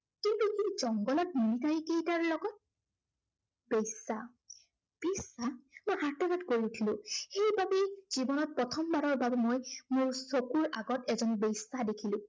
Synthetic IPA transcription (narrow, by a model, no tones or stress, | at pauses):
kintuhizɔŋɡɔlɔt̚ninitaɹikejtaɹlɔɡɔt̚ | bejsa | b̥esamojɦaɹtɔnatkoɹiutʰilʊ̃xejbabez̥ibɔnɔt̚pɹɔtʰɔmbaɹɔɹbabɛmojmuɹsokuɹaɡɔtɛzɔnbejsadekʰilʊ̃